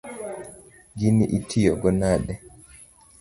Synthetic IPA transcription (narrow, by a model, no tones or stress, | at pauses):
ɡiniʔitʰːijɔɡɔnaːɗɛ